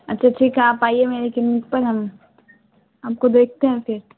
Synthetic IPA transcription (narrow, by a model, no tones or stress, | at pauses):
ɐtːʃʰaʈʰikaːpaːiemeːɾekɪmːɪk̚pɐɾɦɐm | aːp̚kod̪eːk̚ʰt̪eɦɛ̃fɪɾ